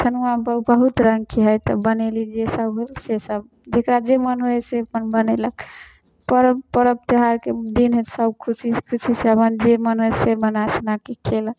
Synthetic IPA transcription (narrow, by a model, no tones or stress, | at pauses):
t̪ʰənuabəbəɦut̪ɾəŋɡkeɦəjt̪ɔbənelid͡ʒesəbɦolsesəb̚ | d͡ʒekɾad͡ʒemənɦoɛsemənbənelək | pəɾəpəɾəb̚t̪iɦaɾked̪inɦesəb̚kʰusikʰusʰiseəmənd͡ʒemənɦojsemənasnakekʰelək